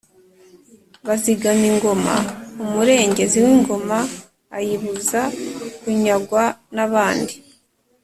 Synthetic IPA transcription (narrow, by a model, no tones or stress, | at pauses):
βaziɡamiŋɡo̞ma̰umuɾe̞ːɲɟe̞ziwiŋɡo̞maː | jiβuzakuɲaɡwanaβaːndi